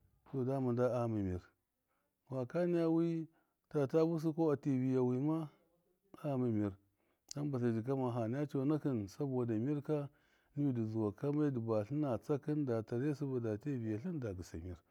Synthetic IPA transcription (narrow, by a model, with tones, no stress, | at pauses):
to˨da˦ma˨nda˦a˦˨mi˨mi˨ɾ | wa˨ka˦ni˦ja˦wi˦ | ta˨ta˦bu˦s̬i˦ko˦a˨ti˨vi˨ja˨wi˨ma˦ | a˦mi˨mi˨ɾ | a˦n˦ba˨s̬a˨d͡ʒi˨k̬a˦ma˨ɦa˨n˦a˦t͡ʃo˨˦na˦ki˦nsa˦bo˨da˨mi˦ɾka˦ | ni˦bi˨di˨zu˨wa˨ka˦ma˦di˨ba˨ɬi˦na˨t͡sa˦ki˦nda˨ta˨ɾe˦su˦ba˨da˨ti˦˨vi˨ja˨ɬi˦nda˨ɡi˨sa̰˨mi˨ɾ